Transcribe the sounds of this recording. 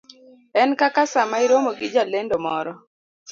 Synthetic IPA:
ɛnkakasamaiɾomoɡɪd͡ʒalendomɔɾɔ

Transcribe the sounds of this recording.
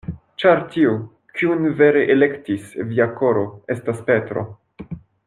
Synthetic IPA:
t͡ʃaɾtiu | kʰiunve̞ɾe̞ʔele̞ktisviako̞ɾo̞e̞staspe̞tɾo̞̰

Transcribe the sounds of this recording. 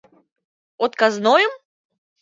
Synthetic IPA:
ɔt̪kaznojəm

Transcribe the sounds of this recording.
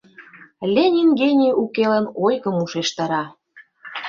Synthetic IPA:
lʲenʲiŋɡenʲiukelə̆nojɣə̆muʃeʃt̪ɑɾɑ

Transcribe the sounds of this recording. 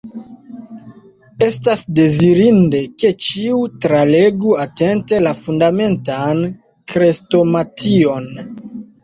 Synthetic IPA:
e̞stasde̞ziɾinde̞ke̞t͡ʃiutɾaleɡuate̞nte̞lafundame̞ntan | kɾesto̞matio̞n

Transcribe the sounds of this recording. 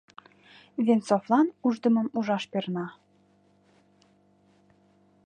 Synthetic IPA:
vʲent͡soflɑnuʒd̪ə̆mə̆muʒɑʃpernɑ

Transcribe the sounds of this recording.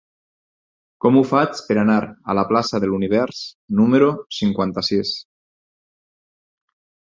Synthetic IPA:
kɔmufat͡speɾanaɾa̰laplasaðeluniβ̞ɛɾs | numeɾusiŋkwant̪asis

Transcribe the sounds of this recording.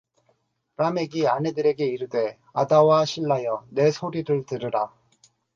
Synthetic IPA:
ɾame̞ɡiane̞dɯɾe̞ɡe̞iɾɯde̞ | adawaɕʰiɭːajʌne̞sʰoɾiɾɯɭtɯɾɯɾa

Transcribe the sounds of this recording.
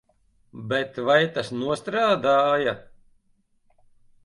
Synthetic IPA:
bɛt̪vajt̪asnuɔst̪ɾaːd̪aːja

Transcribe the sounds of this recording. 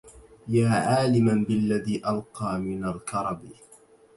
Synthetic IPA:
jaːʕaːlɪmanbɪlːaðiːʔalqɑːmɪnalkɑɾˤɑb

